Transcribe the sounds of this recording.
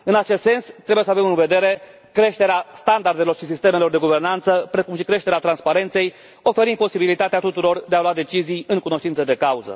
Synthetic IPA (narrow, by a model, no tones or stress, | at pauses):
ɨnat͡ʃest̪se̞nst̪ːɾe̞bujes̬əavemɨnve̞d̪e̞ɾe̞ | kɾe̞ʃt̪e̞ɾeast̪and̪ard̪e̞lo̞rʃisist̪eme̞lo̞rd̪e̞ɡuve̞rnant̪səpɾe̞kumʃikɾe̞ʃt̪e̞ɾeat̪ɾanspaɾe̞nt̪se̞j | o̞fe̞ɾind̪̚po̞sibilit̪at̪eat̪ut̪uɾo̞rd̪e̞alwad̪e̞t͡ʃizijɨŋkuno̞ʃt̪int̪səd̪e̞kauzə̰